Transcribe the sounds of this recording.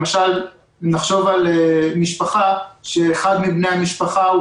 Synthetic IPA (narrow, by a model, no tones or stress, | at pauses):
maʃal | naχʃo̞valemiʃpaχaʃeːχad̪mibnejhamiʃpaχau